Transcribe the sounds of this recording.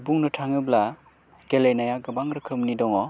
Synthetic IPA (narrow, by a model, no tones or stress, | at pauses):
buŋnɯtʰaŋɯbla | ɡelejnajaɡɐbaŋɾɯkʰɯmnidɔŋɔ